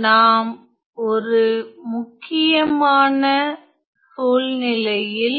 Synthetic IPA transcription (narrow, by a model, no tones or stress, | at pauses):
naːm | ɔɾɯmʊkːɪjɐmaːnɐ | suːlnɪlɐjɪl